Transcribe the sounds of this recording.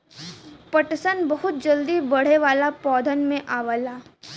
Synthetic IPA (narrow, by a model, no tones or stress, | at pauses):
pəʈsənbəɦʊt̪̚d͡ʒəld̪ibɐɽ̤eʋaːlapɔːd̪ʱənmẽʔaːʋəlaː